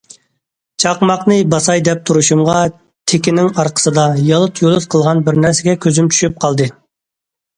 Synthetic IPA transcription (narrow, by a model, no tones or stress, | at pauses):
t͡ʃʰɑqmɑqnɨbɑsɑjd̪ɛp̚t̪ʰuɾuʃumʁɑ | t̪ʰekʲɪnɪŋɑɾqʰə̥sɨd̪ɑjɑlˠɨt̪ʰjolˠɨzqʰəlˠʁɑnbɪɾnæɾsɪɡʲɛkʲʰøzymt͡ʃʰy̥ʃp̚qʰɑlˠd̪ɨ